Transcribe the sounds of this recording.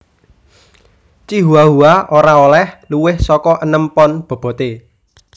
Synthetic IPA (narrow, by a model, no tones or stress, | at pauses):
t͡ʃiɦuaɦuaoɾaolɛhluwɪhsɔkɔʔənəmpɔnb̥o̤b̥ɔ̤t̪e